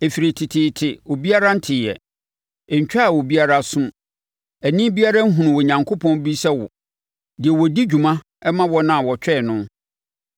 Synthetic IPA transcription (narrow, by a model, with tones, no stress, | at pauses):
e˨fi˨ɾi˨tʰɪ˨tʰɪ˨tʰɪ˨ɔ˨bi˦a˦ɾa˦n̩˦tʰɪ˨jɛ̰˨ | ɛ˨ɲ̩˨t͡ɕᶣa˦a˨wɔ˨bi˦a˦ɾa˦sʊ̃˦m | æ˨nĩ˦bi˦a˦ɾa˦ŋ̩˦ɦũ˨nʊ̃˨wɔ˨ɲã˨ŋkʰo˦pʰɔ̃˦nbi˦sɛ˦wʊ̰˨ | dɪ˨ɛ˨wɔ˨di˦d͡ʑᶣu˨mã˦ | ɛ˦mã˦wɔ˦nã˦a˨wɔ˨t͡ɕᶣɛ˦˨nʊ̃˦